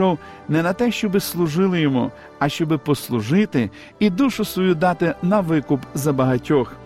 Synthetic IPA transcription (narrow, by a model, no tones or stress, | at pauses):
ɔw | nɛnɐt̪ɛʃt͡ʃɔbɪslˠʊʒɪlˠɪjɔmṵ | ɐʃt͡ʃɔbɪpɔslˠʊʒɪt̪ɪ | id̪uʃʊsʋɔjud̪ɑt̪ɪnɐʋɪkʊpzɐbɐɦɐtʲɔx